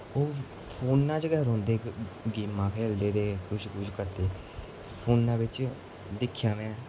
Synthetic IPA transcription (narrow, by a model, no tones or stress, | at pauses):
oː | pʰoːnːãːt͡ʃɡɛːɾɦõːnd̪eːɡiːmãːkʰeːld̪eːd̪eːkʊʃkʊt͡ʃkəɾt̪eː | pʰoːnːãːbɪt͡ʃ | d̪ɪkʰːjaːmɛ̃ː